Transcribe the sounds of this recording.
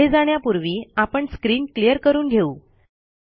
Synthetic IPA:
ed͡zaɽ̃japuɾʋiːapəɳskɾiːnklijəɾkəɾuːnɡʱeuː

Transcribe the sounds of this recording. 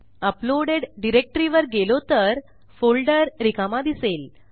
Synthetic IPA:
əploɽeɖɖiɾek̚ʈɾiʋəɾɡelot̪əɾ | folɖəɾːikamad̪isel

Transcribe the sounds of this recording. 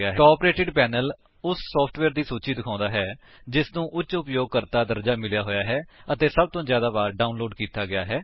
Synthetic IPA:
aːɦɛaːpɾeːʈɪɖpɛːnəl | ʊsːɔːpʰʈʰʋɛːɾd̪iːsuːt͡ʃiːd̪ɪkʰãːnd̪aːɦɛː | d͡ʒɪsnũːʔʊt͡ʃːʊpjoːɡ̚kəɾt̪aːd̪əɾd͡ʒaːmɪljaːɦoːjaːɦɛːət̪eːsəb̚t̪õːzjaːd̪aːbaːɾɖaːʊnloːɖkiːt̪aːɡɪjaːɦɛː

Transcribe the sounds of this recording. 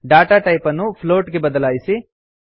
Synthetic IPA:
ɖaːʈaːʈɐjpɐnːupʰloːʈɡe̞bɐd̪ɐlaːjisi

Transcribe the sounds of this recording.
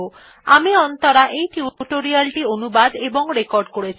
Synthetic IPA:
o | amiɔnt̪ɔɾaʔejʈjuʈoɾialʈionubad̪ebɔŋɾekɔɾɖkoɽet͡ʃʰi̥

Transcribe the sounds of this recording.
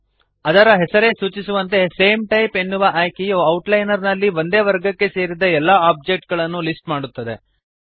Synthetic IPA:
ɐd̪ɐɾɐɦɛsɐɾe̞ːsuːt͡ʃisuʋɐnt̪e̞se̞ːmʈɐjpenːuʋɐʔaːjkejuɐwʈlɐjnɐɾnɐlːiʋo̞nd̪e̞ːʋɐɾɡɐkːe̞se̞ːɾid̪ɐɛlːaaːp̚d͡ʒe̞k̚ʈ̚ɡɐɭɐnːulisʈmaːɽut̪ːɐd̪e̞

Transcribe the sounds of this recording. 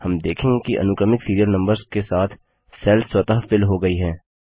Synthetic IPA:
hɐmd̪eːkʰẽɡekiʔɐ̰nʊkəmɪkfiːɾijəɾnɐ̃mbəɾzkesaːt̪ʰ | sɛːlfswɐt̪aɦfɪlɦoɡɐiɦɛ̃ː

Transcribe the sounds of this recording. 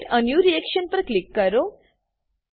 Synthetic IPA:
ʈənjuɾiekʃənpəɾklikːəɾo

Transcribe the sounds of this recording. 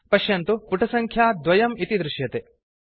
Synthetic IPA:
pɐʃjɐnt̪upuʈʰɐsɐŋkʰjaːd̪ʋɐjɐmit̪id̪ɾuʃjɐt̪e

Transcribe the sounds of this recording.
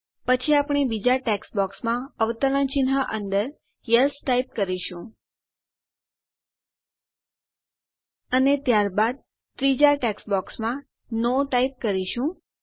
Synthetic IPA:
pət͡ʃʰiapɳ̃ebid͡ʒaʈɛksbɔksmãəʋt̪ələnt͡ʃinɦəʔənd̪əɾ | jəsʈaip̚kəɾiʃũ | ənet̪jaɾbad̪̚ | t̪ɾid͡ʒaʈɛksbɔksmã | noʈaip̚kəɾiʃũ

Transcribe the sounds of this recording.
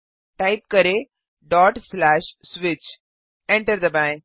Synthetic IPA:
ʈaɪp̚kəɾe | ɖɔːʈslæːʃsʋɪt͡ʃ | ɛ̃ɳʈəɾd̪əbãŋ

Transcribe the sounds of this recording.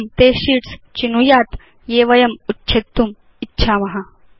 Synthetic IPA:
mt̪eːɕiːʈst͡ɕinujaːt̪ | jeːʋɐjɐmutːɕʰet̪ːum | itːɕʰaːmɐɦa

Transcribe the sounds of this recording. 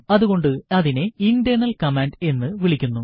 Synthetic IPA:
ɐðuɣo̞ɳɖɨɐðine̞inɖenɐlkɐmeːnɖe̞nːɨʋiɭikʲːunːu

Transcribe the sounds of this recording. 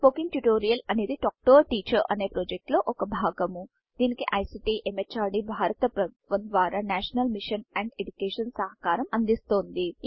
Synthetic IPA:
poːkiŋ̚ʈjuʈoːɾijɐlɐne̞ːd̪iʈaːk̚ʈoːɾʈiːt͡ʃɐɾʔɐne̞ːpɾoːd͡ʒek̚ʈloːʔɔkɐbʱaːɡɐmu | d̪̥iːnikiʔɐjsiʈiʔemet͡ʃaːɾɖibʱaːɾɐt̪ɐpɾɐʋɐnd̪ʋaːɾaːnaːʃɐnɐlmiʂɐnɛɳɖeɖukeːʂɐnsɐɦɐkaːɾɐmɐnd̪ist̪o̞ːnd̪i

